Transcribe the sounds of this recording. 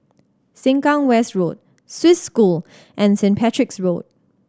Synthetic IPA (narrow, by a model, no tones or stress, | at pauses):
sɪ̃ŋkãŋwɛstɹot̚ | swiskul | ʔɛ̃nsɛ̃npʰɛtʰɹɪksɹot̚